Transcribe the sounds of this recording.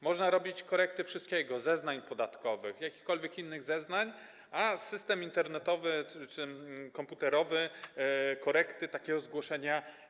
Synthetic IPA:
mɔʐnaɾɔbʲit͡ɕkɔɾɛk̚t̪ɘfʂɘst̪̚kʲɛɡɔzɛznaɲpɔd̪at̪kɔvɘxjakʲi̥xkɔlvʲjɛkinːɘɣzɛznaɲ | asɘst̪ɛmint̪ɛɾnɛt̪ɔvɘt͡ʂɘkɔmput̪ɛɾɔvɘ | kɔɾɛkt̪ɘt̪akʲɛɡɔzɡwɔʂɛɲa

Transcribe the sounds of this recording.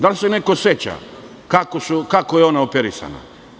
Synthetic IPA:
d̪alise̞neko̞set͡ɕa̰ | kakosukakojeo̞naopeɾisa̰na̰

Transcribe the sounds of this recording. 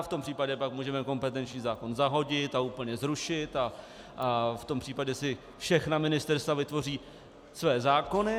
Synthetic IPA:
ft̪ompr̥iːpaɟɛpakmuːʒɛmɛko̞mpɛt̪ɛnt͡ʃɲiːzaːko̞nzaɦo̞ɟɪt̪auːpl̩ɲɛzɾuʃɪt̪a | ft̪o̞mpr̥iːpaɟɛsɪ | fʃɛxnamɪnɪst̪ɛɾst̪vavɪt̪vo̞riː | svɛːzaːko̞nɪ

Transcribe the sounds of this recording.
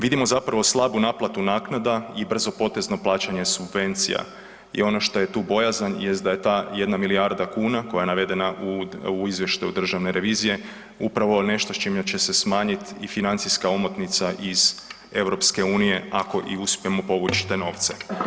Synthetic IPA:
ʋid̪imo̞zapɾaʋoslˠabunaːplˠat̪unaːknad̪aibr̩zo̞po̞t̪e̞zno̞plˠaːt͡ɕaɲe̞subʋe̞nt̪sḭja̰ | ḭo̞no̞ʃt̪o̞je̞t̪uːbo̞jazanje̞st̪d̪aje̞t̪aːje̞d̪namilijaɾd̪akuːnakojaje̞naʋe̞d̪e̞naʔuuizʋje̞ʃt̪aud̪r̩ʒaʋneɾʔe̞ʋiːzije̞ | upɾaʋo̞ne̞ʃt̪ost͡ʃimat͡ɕe̞se̞smaːɲit̪ifinant̪siskaomot̪nit̪saʔiz̥ | e̞ʋɾo̞pske̞uːnije̞ako̞ʔiuspije̞mopo̞ʋut͡ʃt̪e̞no̞ːʋt̪se̞̰

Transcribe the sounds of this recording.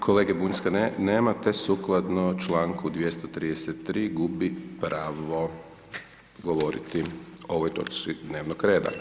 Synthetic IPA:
kʰoleːɡebunskaneːmat̪esuklˠad̪not͡ʃlaːŋkud̪ʋjest̪ot̪ɾiːd̪eset̪ːɾiːɡubipɾaːʋo̞ | ɡo̞ʋo̞ɾḭt̪io̞ʋojt̪o̞t͡ʃt͡ʃid̪neːʋnokɾe̞ːd̪a̰

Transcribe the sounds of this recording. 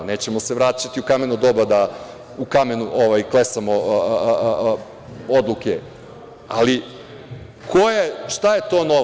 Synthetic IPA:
ne̞ːt͡ɕe̞moseʋɾaːt͡ʃat̪iukame̞nud̪obad̪a | ukame̞nuʔoʋajklesamo | od̪lˠuke | ali | kʰojeʃt̪aje̞t̪o̞ːno

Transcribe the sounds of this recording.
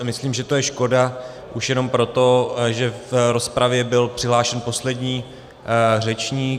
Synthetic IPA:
mɪsliːmʒɛt̪ojɛʃko̞da | ʔuʃjɛno̞mpɾo̞t̪o̞ʒɛfɾo̞spɾavjɛbɪlpr̥ɪɦlaːʃɛnpo̞slɛdɲiː | r̝ɛt͡ʃɲiː

